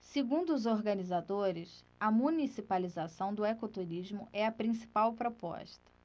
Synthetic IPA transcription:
seɡũd̪ʊːzoɾɡɐnizad̪oɾɪs | ɐmunisipalizasɐ̃w̃d̪ʊekot̪uɾiʒmʊʔɛɐpɾĩsi̥pawpɾopɔ̰ʃt̪ɐ̥

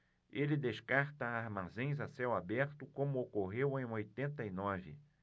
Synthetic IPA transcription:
elɪd̪eskaɾt̪ɐaɾmazẽj̃zasɛwabɛɾt̪ʊkõmʊokoɦewẽj̃ojt̪ẽnt̪ɐinɔvɪ̰

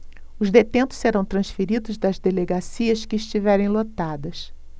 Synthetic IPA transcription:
ʊzd̪et̪ẽnt̪ʊ̥sseɾɐ̃w̃t̪ɾɐ̃sfeɾid̪ʊzd̪ɐzd̪eleɡasiɐskɪːʃt͡ʃivɛɾẽj̃lot̪ad̪ɐs

